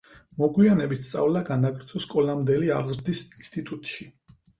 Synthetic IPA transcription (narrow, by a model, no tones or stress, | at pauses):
mɔɡwianɛbit̪st̪sʼa̰vlaɡanaɡʼɾt̪sʰɔskʼɔlamd̪ɛlia̰ɾzɾd̪isinst̪ʼit̪ʼut̪ʼʃi